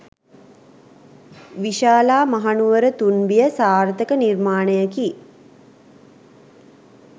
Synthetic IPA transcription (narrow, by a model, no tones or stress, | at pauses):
ʋiʃaːlaːmaɦanuʋəɾət̪unbijəsaːrt̪əkənirmaːnəjəki